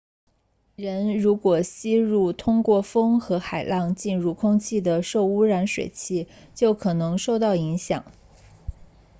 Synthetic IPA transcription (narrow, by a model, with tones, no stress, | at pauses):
ɻə˧˥nɻu˧˥kwɔ˨˩ɕi˥ɻu˥˩t̪ʰʊ˥ŋkwɔ˥˩fɤ˥ŋxɤ˧˥xa˨˩ɪlɑ˥˧ŋt͡ɕi˥˧nɻu˥˩kʰʊ˥ŋt͡ɕʰi˥˩d̪ə˩ʂo˥˩ʊu˥ɻa˧˥nʂwḛ˨˩ɪt͡ɕʰi˥˩ | t͡ɕjo˥˩ʊkʰɤ˨˩nɤ˧˥ŋʂo˥˧ʊt̪ɑ˥˩ʊi˧˥ŋɕjɑ̰˨˩˦ŋ